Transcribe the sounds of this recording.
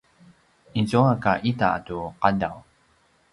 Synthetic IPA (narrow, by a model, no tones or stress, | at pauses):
inzuakaʔita̰tuqadaw